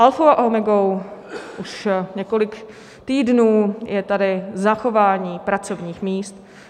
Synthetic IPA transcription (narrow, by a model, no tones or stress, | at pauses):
ʔalfowaʔomɛɡowʔuʃɲɛkolɪk | t̪iːdnuːjʔɛt̪adɪzaxo̞vaːɲiːpɾat͡so̞vɲiːxmiːst̪